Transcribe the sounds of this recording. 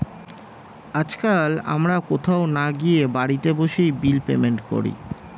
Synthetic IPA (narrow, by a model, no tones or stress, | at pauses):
ad͡ʑkala̰mɾakot̪ʰaonaɡijebaɽit̪eboʃejbilpḛmeɳʈko̰ɾḭ